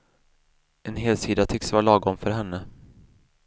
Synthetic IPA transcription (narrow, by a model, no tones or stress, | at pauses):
ɛnɦeːlsiːd̪at̪ʰʏksvɑːlɑːɡɔmfœɾɦɛnːə